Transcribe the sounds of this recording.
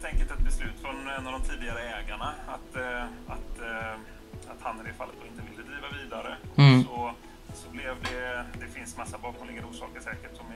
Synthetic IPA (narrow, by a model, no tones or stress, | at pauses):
lt̪ɛŋkəlt̪ɛt̪̚bɛslʉ̟ːt̪fɾɔnɛnːavd̪ɔmt̪ʰiːd̪ɪɡaɾəɛːɡaɳaat̪at̪ | at̪hanːəɾɪɾfalːət̪ɔɪnt̪əvɪlːəd̪ɾiːvaviːd̪aɾəsɔ | sɔblɛvd̪ɛd̪ɛfɪnsmasːabɑːkʰɔmlɛɡanɾuːʂɑ̰ːkəʂɛːkəʈsɔm